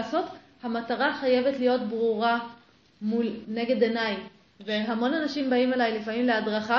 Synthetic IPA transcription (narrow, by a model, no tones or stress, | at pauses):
so̞t | hamataʁaχaje̞ve̞tlijo̞tbʁuʁa | mulne̞ɡe̞denaj | veɦamo̞nanaʃimbaimelajlifamimleadʁaχa